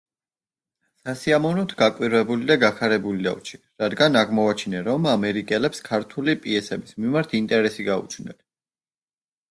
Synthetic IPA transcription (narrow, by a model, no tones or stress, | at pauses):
sasiamɔvnɔt̪ʰɡakʼwiɾvɛbulid̪aɡakʰaɾɛbulid̪a̰vt͡ʃʰi̥ | ɾad̪ɡanaʁmɔvat͡ʃʰinɛɾɔmamɛɾikʼɛlɛpskʰaɾt̪ʰulipʼiɛsɛbismimaɾt̪ʰint̪ʼɛɾɛsiɡaṵt͡ʃʰnɛ̰n